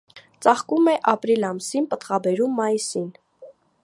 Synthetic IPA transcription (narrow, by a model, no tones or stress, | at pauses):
t͡sɑχkumɛʔɑpɾilɑmsinpət̪χɑbɛɾumːɑjisin